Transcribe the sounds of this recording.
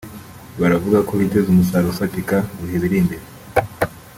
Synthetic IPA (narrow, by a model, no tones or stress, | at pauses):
βaɾavuɡako̞βite̞zumusaɾufatikaɡuhiβiɾimbeɾe